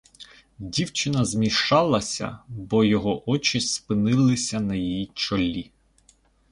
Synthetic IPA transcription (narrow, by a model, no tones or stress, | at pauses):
dʲiwt͡ʃɪnɐzmʲiʃɑlˠɐsʲɐ̰bɔjɔɦɔʔɔt͡ʃɪspɪnɪlˠɪsʲɐnɐjijit͡ʃɔlʲːi